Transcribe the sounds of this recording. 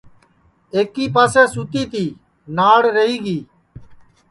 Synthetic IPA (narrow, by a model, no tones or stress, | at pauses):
eːkiːpaːseːsuːt̪iːt̪iː | naːɽɾəɦiːɡiː